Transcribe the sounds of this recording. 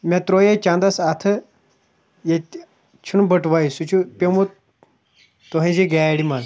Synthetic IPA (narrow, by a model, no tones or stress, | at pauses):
mʲat̪ɾojet͡ɕãnd̪asat̪ʰə | je | t͡ɕʰunbəʈʋaisut͡ɕʰupemut̪ | t̪oɦẽd͡ʑeɡaɽiman